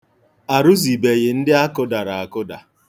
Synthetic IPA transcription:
a˨ɾʊ˦zi˨be˨ɣɪ˨n̩˦dɪ˦a˦kʊ˦da˨ɾa˨a˨kʊ˦da˨

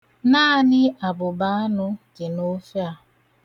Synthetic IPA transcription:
na˦nɪ˦a˨bʊ˨ba˨˦a˦nʊ˦kɪ˨no˦fja˨˦˨

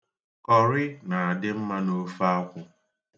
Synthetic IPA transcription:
kɔ˨ɾɪ˦na˨a˨dɪ˦m̩˦ma˦no˦fa˦kʷʊ˦

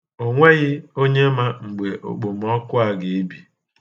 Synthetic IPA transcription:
o˨ŋʷe˦ɣɪ˦o˦ɲe˦ma˦ŋ͡m̩˨ɡ͡be˨ʔo̰˨k͡po˨m˦ɔ˦kʊ˦a˨ɡe˨e˦bi˨

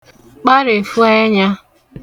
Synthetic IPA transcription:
k͡pa˦ɾe˨fu˦e˦ɲa˦

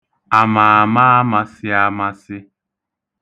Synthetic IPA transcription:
a˨ma˨a˨ma˦ma˨sɪ˦a˦ma˦sɪ˦

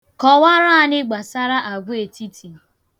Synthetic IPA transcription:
kɔ˨wa˦ɾa˦a˦nɪ˦ɡ͡ba˨sa˦ɾa˦ʔa˨ɡʷʊ˦e˨tʰi˦tʰi˨

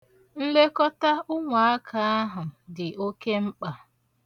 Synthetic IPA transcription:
n̩˦le˦kɔ˦ta˦ʊ˦ŋʷa˨a˦kʰa˨a˦ɦʊ˨dɪ˨ʔo˦ke˦ŋ͡m̩˦k͡pa˨

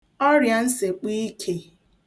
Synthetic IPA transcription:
ɔ˦ɾja˨n̩˦se˨k͡pi˦kʰe˨

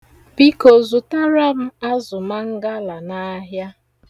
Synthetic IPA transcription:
bi˦ko˨zʊ˨ta˦ɾa˦m̩˦a˦zʊ˨ma˦ŋ̩˦ɡa˦la˨na˦ɦja˦

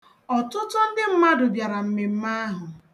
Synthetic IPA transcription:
ɔ˨tʊ˦tʊ˦n̩˦dɪ˦m̩˦ma˦dʊ˨bja˨ɾa˨m̩˨me˨m̩˦ma˦ɦʊ˨

